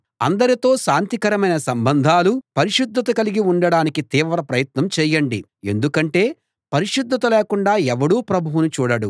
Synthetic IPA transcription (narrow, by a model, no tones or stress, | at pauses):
ɐ̰nd̪ɐɾit̪o̞ːʃaːnt̪ikɐɾɐmɐjnɐsɐmbɐnd̪ʱaːlupɐɾiʃud̪ːɐt̪ɐkɐliɡiuɳɖɐɽaːnikit̪iːʋɾɐpɾɐjɐt̪nɐmt͡ʃɛːjɐɳɖi | e̞̰nd̪ukɐɳʈe̞ː | pɐɾiʂud̪ːɐt̪ɐleːkuɳɖaːɛʋɐɽuːpɾɐbʱuwunut͡ʃuːɽɐɽu